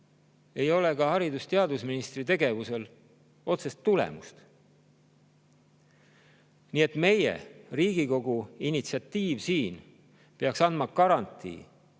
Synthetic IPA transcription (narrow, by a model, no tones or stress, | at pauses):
e̞jo̞le̞kɑhɑɾid̪ust̪e̞ɑd̪usminist̪rit̪e̞ɡe̞vuse̞l | o̞t̪se̞st̪ːulḛmṵst̪ | niːe̞t̪me̞je̞̰riːɡ̥iko̞ɡuinʲit̪siɑt̪ːiːvsiːn | peɑksɑnd̪̥mɑkɑɾɑnt̪ːˑḭː